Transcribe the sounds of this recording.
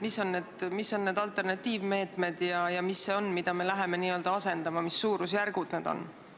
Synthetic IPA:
misːo̞nneːd̪̥misːo̞nːne̞ːd̪ɑlt̪ːˑe̞rnɑt̪ːˑiːvme̞ːt̪ˑme̞d̪̥jɑjɑmisːe̞o̞nmid̪̥ɑme̞læɦe̞me̞niːø̞ld̪̥ɑɑse̞nd̪̥ɑmɑmisːuːɾusjærɡ̥ud̪̥neːd̪̥o̞̰n

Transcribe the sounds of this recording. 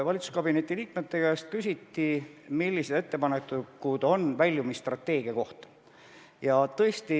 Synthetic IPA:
vɑlʲit̪su̥skɑb̥ine̞t̪ːˑiliːkme̞t̪ːe̞kæjst̪̚kysʲit̪ːimilːised̪e̞t̪ːe̞pɑnekːˑukud̪o̞nvælʲːjumist̪rɑt̪ːe̞ːɡ̥iɑko̞ht̪ɑ̥ | jɑt̪ɤ̞est̪i

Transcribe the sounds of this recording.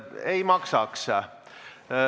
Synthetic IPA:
eimɑksɑksɑ

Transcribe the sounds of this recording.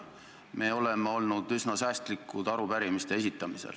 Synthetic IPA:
mʔe̞ːo̞le̞meo̞lnud̪̥ysnɑsæːst̪likːˑud̪̥ɑɾupæɾimist̪e̞esit̪ːˑɑmisḛl

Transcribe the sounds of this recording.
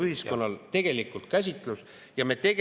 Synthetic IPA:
yhisko̞nːɑlt̪e̞ɡ̥e̞likˑult̪̚kæsʲit̪ˑlus | jɑme̞t̪e̞ɡ

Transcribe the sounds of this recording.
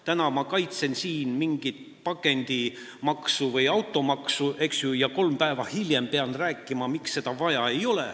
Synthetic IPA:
t̪ænɑmɑkɑjt̪se̞nsiːnmiŋɡ̥it̪ | pɑkˑe̞nʲd̪̥i | mɑksuvɤjɑwt̪ːˑo̞mɑksuʔe̞ksjujɑko̞lmpæevɑhilje̞mpe̞ɑnræːkːˑimɑmiksːe̞d̪̥ɑvɑjɑe̞jo̞lḛ

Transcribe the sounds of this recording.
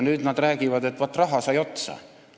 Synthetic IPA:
nyːd̪̥nɑd̪ræːɡ̥ivɑd̪e̞t̪ːvɑt̪ːrɑɦɑsɑjo̞t̪sɑ̰

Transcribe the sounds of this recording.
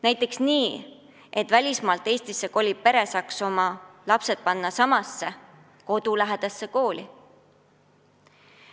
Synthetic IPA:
næjt̪ːˑe̞ksniː | et̪ˑvælʲismɑːlt̪ːˑe̞ːsʲt̪isːe̞ko̞lʲipe̞ɾe̞sɑkso̞mɑlɑpse̞t̪̚pɑnːɑsɑmɑsːe̞ | ko̞d̪̥ulæɦed̪̥ɑsːe̞ko̞ːlʲi

